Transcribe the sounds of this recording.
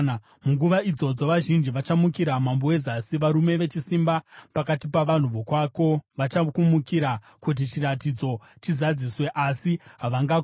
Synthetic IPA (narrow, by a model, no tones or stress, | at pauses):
muŋɡuʋaid͡zo̞d͡zo̞ʋaʒind͡ʒiʋat͡ʃamukiɾamambowe̞zasiʋaɾume̞ʋe̞t͡ʃisimbapakatipaʋan̤uʋokwako̞ʋat͡ʃakumukiɾa | kut̬it͡ʃiɾatid͡zo̞ | t͡ʃizad͡ziswe̞ʔasiɦaʋaŋɡa